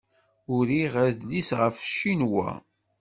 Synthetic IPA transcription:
ʊɾiʁæðlisʁəfʃinwæ̰

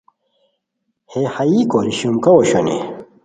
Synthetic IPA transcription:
hehɐikoɾiɕumkɐwoɕo̰nḛ

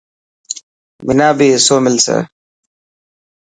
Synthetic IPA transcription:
mɪnaːbiːɪsoːmɪlsḛ

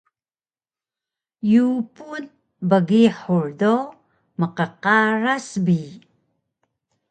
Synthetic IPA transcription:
jupun | bəɣiħuɹdo | məqəqaɾasbi

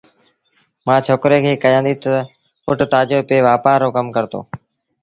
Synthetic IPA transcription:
mãːt͡ʃʰoːkɾeːkʰeːkəjãːnd̪iːt̪ə | pʊʈt̪aːd͡ʒoːpeːʋaːpaːɾoːkəmkəɾt̪o̰ː

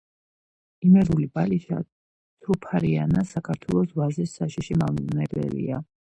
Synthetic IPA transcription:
imɛɾulibaliʃa̰ | t̪ʰupʰaɾianasakʰaɾt̪ʰwɛlˠɔsvazisːaʃiʃimavinɛbɛ̰lḭa

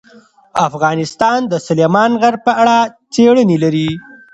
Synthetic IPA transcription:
afɣɑnɪst̪ɑnd̪əsʊlemɑnɣaɾpəaɽat͡seɽənelaɾi

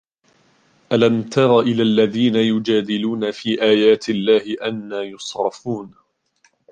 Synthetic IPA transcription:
ʔalamt̪ɑɾˤɑːʔɪlaːlːaðiːnajʊd͡ʒaːd̪ɪluːnafiːʔaːjaːt̪ɪlːaːhɪʔanːaːjʊsˤɾɑfuːn

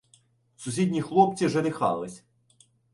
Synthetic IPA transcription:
sʊsʲidʲnʲixlˠɔp̚t͡sʲiwʒɛd̪ɪxɑ̰lˠɪsʲ

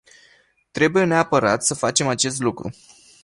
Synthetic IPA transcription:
t̪ɾe̞buje̞neapəɾat̪səfat͡ʃe̞mat͡ʃe̞s̬t̪lukɾṵ

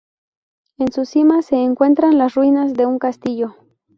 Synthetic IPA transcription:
e̞nsusimase̞ːŋkwe̞nt̪ɾanlasrwinazðe̞uŋkast̪iʝo̞

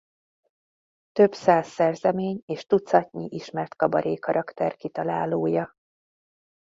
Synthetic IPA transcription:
t̪ø̞bsaːsːɛrzɛmeːɲeːʃt̪ut̪sɒcɲḭʔiʃmɛrt̪kɒbɒɾʔeːkɒɾʔɒkt̪ɛrkit̪ɒlaːloːjɒ

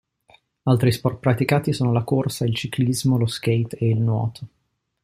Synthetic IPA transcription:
alt̪ɾispɔrt̪̚pɾat̪ikaːt̪isoːnolakorsailt͡ʃiklizmolosk̟ejt̪eilnwɔ̰ːt̪ʰo̥

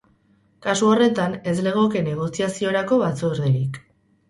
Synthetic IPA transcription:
kasuo̞re̞t̪ane̞zle̞ɣ̞o̞ke̞ne̞ɣ̞o̞siasio̞ɾako̞βat͡soɾðeɾik

